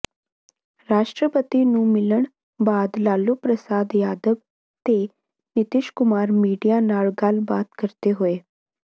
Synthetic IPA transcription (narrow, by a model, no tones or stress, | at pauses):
ɾaːʃʈɾəpət̪inũmɪləɽ̃ | baːd̪laːlupɾəsaːd̪jaːd̪əb | t̪e | nɪt̪ɪʃkʊmaːɾmiːɖijanaːɭɡaːlbaːt̪kəɾt̪eɦʊeː